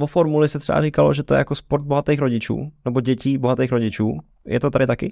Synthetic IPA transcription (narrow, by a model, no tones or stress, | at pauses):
vofo̞ɾmulɪsɛt̪r̥ɛ̰a̰rikaloʒɛt̪ojɛ̰jakospoɾt̪̚bo̞ɦat̪ejxɾo̞ɟɪt͡ʃṵːnɛbo̞ɟɛciːbo̞ɦat̪ejxɾo̞ɟɪt͡ʃuː | jʔɛ̰t̪ot̪aɾɪt̪akɪ̰